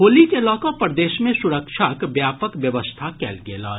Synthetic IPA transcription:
ɦoːlikelɔːkõpɾəd̪eːʃmẽsʊɾəkʃʰakbjaːpəkʋjəʋəst̪ʰakɛ̰ːlɡela̰ː

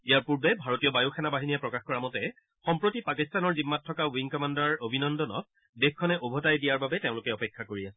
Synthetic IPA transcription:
ijaɹpuɹbɛbʱaɹotijɔbajoxʰɛnabaɦinijɛpɹɔkaxkɔɹamɔtɛ | xɔmpɹotipakistanɔɹzimːatʰːɔkawiŋkɔmandaɹobʱinɔndɔnɔ̰t̚ | dexkʰːɔnɛʔobʱɔtajdijaɹbabɛteʊ̃lʊkɛɔpɛkʰːakoɹiasɛ̥

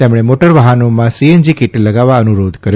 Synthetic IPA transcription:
t̪emɽ̃emoʈəɾʋaɦanomãsiend͡ʒikiʈləɡaʋaənuɾod̪kəɾ

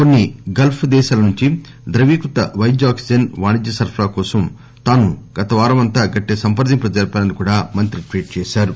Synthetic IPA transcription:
konːiɡɐlpʰd̪ɛːʃaːlɐnuɲt͡ʃi | d̪ɾɐʋiːkut̪ɐʋɐjd͡ʒaːksid͡ʒɐnʋaːnid͡ʒ̪ːɐsɐɾpʰɾaːkɔːsɐm | t̪aːnuɡ̥ɐt̪ɐʋaːɾɐmɐnt̪aːɡɐʈːeːsɐmpɐɾd̪impɾɐd͡ʒɐɾpaːnɐnikuːɽaːmɐnt̪ɾiʈʋiːʈ̚t͡ʃɛːʃaːɾu

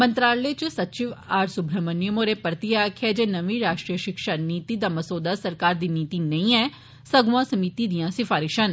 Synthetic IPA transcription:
mənt̪ɾaːlleːt͡ʃsət͡ʃɪʋaːɾsʊbʱɾəmənɪəmõːɾeːpəɾt̪iːaːkʰɛːd͡ʒeːnəʋĩːɾaːʃʈɾijəʃɪkʃaːniːt̪iːd̪aːməsoːd̪aːsəɾkaːɾd̪iːniːt̪iːnəĩːɛː | səɡʊʋãːsəmiːt̪iːd̪ijãːsɪfʰaːɾɪʃən

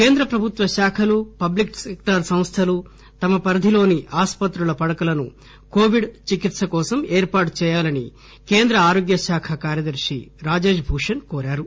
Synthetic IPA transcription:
ke̞ːnd̪ɾɐpɾɐbʱut̪ʋɐʃaːkʰɐlupɐbliksekʈɐɾsɐmst̪ʰɐlu | t̪ɐmɐpɐɾɐd̪ʱilo̞ːniʔaːspɐt̪ɾulɐpɐɽɐkɐlɐnu | koːʋiɖt͡ʃikit̪sɐkɔːsɐmeːɾpaːʈu̥t͡ʃɛːjaːlɐnḭ | keːnd̪ɾɐaːɾoːɡjɐʃaːkʰɐkaːɾjɐd̪ɐɾʂḭɾaːd͡ʒeːd͡ʒbʱuːʂɐnkoːɾaːɾu

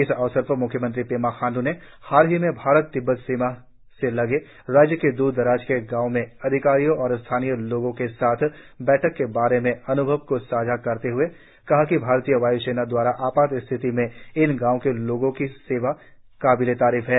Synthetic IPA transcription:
ɪsɐʋsəɾpəmʊkʰːjəmə̃nt̪ɾipeːmaxaːnd̪une | haːɾɦimẽbʱaːɾət̪ːɪbːət̪siːma | selɐɡe | ɾaːd͡ʒjəked̪uːd̪̚ːəɾaːd͡ʒkeɡãːʊmẽɐd̪ʱɪkaːɾijõɔːɾst̪ʰaːnijəloːɡõkesaːt̪ʰbɛːʈʰəkːebaːɾemẽɐnʊbʱəʋkosaːd͡ʒʱakɐɾt̪eɦʊe | kɐɦakibʱaːɾt̪ijəʋaːiseːnad̪waːɾaʔaːpaːt̪ɪst̪ʰɪt̪imẽɪnɡãːõkeloːɡõkiseːʋa | kaːbilet̪aːɾiːfɦɛː

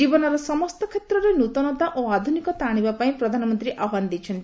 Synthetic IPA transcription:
ibɔnɔɾɔsɔmɔst̪ɔkʰet̪ɾɔɾenut̪ɔnɔt̪aʔoad̪ʱunikɔt̪aɽ̃ibapaĩpɾɔd̪ʱanɔmɔnt̪ɾiʔaɦwand̪it͡ʃʰɔnt̪i

